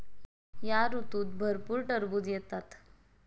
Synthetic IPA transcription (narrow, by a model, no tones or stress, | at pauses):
jaɾut̪uːt̪̚bʱəɾpuːɾʈəɾbuːd͡z̪jɛt̪at̪